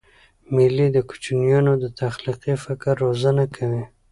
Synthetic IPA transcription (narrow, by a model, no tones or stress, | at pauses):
mɪlid̪əkʊ̥t͡ʃnijanod̪ət̪ʰaxliqifɪkaɾːozanakʰawi